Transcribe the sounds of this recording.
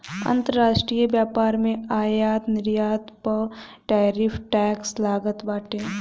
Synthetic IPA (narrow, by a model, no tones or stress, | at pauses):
ə̰̃nt̪əɾɾaːʃʈɾiːjəbjaːpaːɾmẽaːjaːt̪nɪɾjaːt̪pəʈɛːɾɪpʰʈɛːkslaːɡət̪baːʈẽː